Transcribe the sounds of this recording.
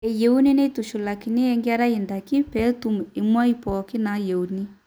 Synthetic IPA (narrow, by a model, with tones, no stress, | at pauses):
ɛ˨jɛ˦u˦ni˦ne˦i˦tu˨ʃu˨la˨ki˨ne˦ɛ˦ŋɡe˦a˦ɾa˦i˨nda˨ki˦pɛ˦tu˦me˨mwa˦i˦pɔ˨ke˦na˨˦jɛ˨u˨ni˦